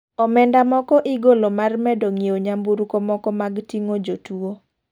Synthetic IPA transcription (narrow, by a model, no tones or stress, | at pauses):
ɔmɛndamɔkɔʔiɡolomarmɛdoŋioɲambuɾkɔmɔkɔmaɡtiŋod͡ʒotuo